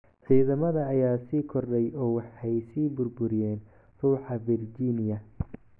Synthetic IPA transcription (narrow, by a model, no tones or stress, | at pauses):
ʕiːðɐmɐðɐːjaːsiːkʰɔrɖɛjʔɔːwɑħɛjsiːbʊrbʊɾɪjɛːn | ruːħɑvɪrd͡ʒiːnɪjɐ